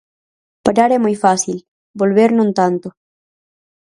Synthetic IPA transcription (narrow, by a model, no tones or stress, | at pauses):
paɾaɾɛmujfasil | bolβeɾnũnt̪ant̪o